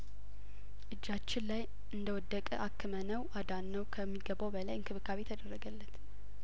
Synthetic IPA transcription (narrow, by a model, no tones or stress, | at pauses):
ʔɨd͡ʒːat͡ʃːɪnlaj | ʔɨnd̪əwɔd̪ːəkʼəʔakʰːɨmənəwʔad̪anːəwkʰəmːiɡəβowbəlajɨnkʰɨβɨkʰaβet̪ʰəd̪ərːəɡəlːət̪